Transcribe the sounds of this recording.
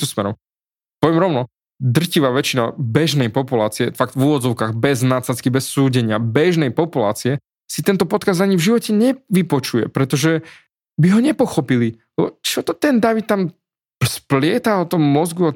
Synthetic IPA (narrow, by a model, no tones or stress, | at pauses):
ɔsmɛɾɔ̰m | pɔʋjɛmɾɔʊnɔ | d̪r̩ciʋaːʋɛt͡ʃinabɛʒnɛjpɔpulaːt͡siɛfaɡt̪vuːʋɔd͡zɔʊkaːɣbɛznat͡saskibɛsːuːɟɛɲɪabɛʒnɛjpɔpula̰ːt͡siɛ | sit̪ɛnt̪ɔpɔt̪kazd̪aɲivʒiʋɔcɛɲɛʋipɔt͡ʃujɛ̰pɾɛt̪ɔʒɛ | biɦɔɲɛpɔxɔpililɛbɔ̰t͡ʃɔt̪ɔt̪ɛnd̪aʋit̪̚t̪am | splɪɛt̪aɔt̪ɔmːɔzɡua